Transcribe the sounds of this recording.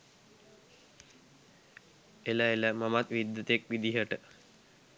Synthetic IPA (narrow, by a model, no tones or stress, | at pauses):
elaeləmamat̪ʋid̪ːət̪ek̚ʋid̪iɦəʈə